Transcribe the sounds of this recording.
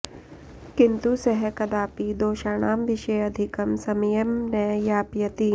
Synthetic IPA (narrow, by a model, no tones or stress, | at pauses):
kɪnt̪usɐɦɛkɐd̪aːpid̪oːʃaːñaːmʋɪʃejɐd̪ʱɪkɐmsɐmjɐmnɐjjaːpjɐt̪i